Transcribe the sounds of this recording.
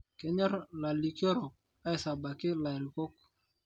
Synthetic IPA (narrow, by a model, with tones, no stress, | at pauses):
kɛ˨ɲɔ˦ɾla˨li˨kjɔ˦ɾɔ˨k̚ | a˦ɪ˨sa˨ba˨kɪ˦la˨ɾi˨kɔ˦k